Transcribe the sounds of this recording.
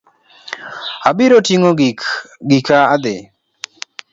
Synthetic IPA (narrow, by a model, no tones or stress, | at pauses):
abiɾotiŋoɡik | ɡikʰaad̪e